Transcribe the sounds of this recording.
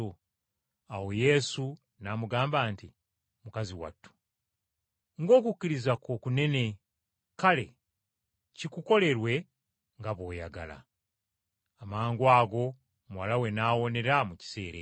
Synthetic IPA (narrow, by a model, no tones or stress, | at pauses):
o | awo̞je̞su | namuɡaːmbaːnti | mukaziwa̰tːu̥ | ŋɡo̞ːkucːiɾizako̞kune̞ne̞ | kale̞̰ | cikuko̞le̞ɾwe̞ | ŋɡaβo̞ːja̰ɡa̰la̰ | maːŋɡwaːɡo̞ | mwalawe̞naːwo̞ne̞ɾamuci̥se̞ːɾḛ